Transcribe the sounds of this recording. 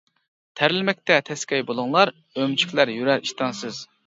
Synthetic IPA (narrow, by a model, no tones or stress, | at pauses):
t̪ʰæɾɪlɪmɛk̚ʲt̪ɛt̪ʰɛskʲɛjbolˠʊŋlˠɑɾ | ømt͡ʃʰy̥kʲʰlæɾjyɾæɾiʃt̪ɑnsɨz